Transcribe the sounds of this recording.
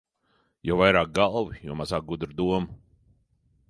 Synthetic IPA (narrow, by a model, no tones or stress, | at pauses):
jɔwvajɾaːk̚ɡalˠvijɔ̰masak̚ɡud̪ɾd̪uɔmu